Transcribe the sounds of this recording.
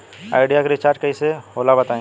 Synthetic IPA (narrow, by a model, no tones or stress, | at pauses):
a̰ːɪɖijakeɾɪt͡ʃaːɾʈ̚kɐisehoːlabɐt̪aẽː